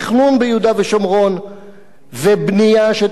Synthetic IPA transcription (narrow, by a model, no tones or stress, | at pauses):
χnunbejud̪aveʃomʁo̞n | vebnijaʃe